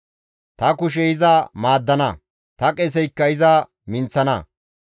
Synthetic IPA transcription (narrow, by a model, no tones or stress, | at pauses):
t̪ɐkʊʃ̬ɛɪzɐmaːd̪ːɐnɐ̰ | t̪ɐkʼɛs̬ɛjkːɐɪzɐ | mɪnt͡sːɐnɐ̰